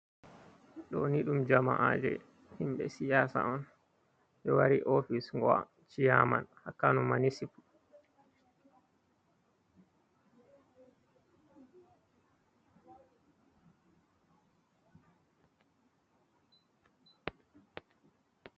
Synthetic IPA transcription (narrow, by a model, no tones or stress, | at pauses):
ɗɔ̰niɗumd͡ʒama̰ʔad͡ʒɛ̰ | himɓɛsijaːsa̰ʔɔn | ɓɛwaɾiʔofisŋɡɔa̰ | t͡ʃijama̰nhakːanumanisipu